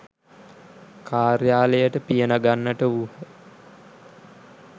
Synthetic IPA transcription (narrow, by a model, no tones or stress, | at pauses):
kʰaːɾjaːlejəʈəpijənaɡanːəʈəuhə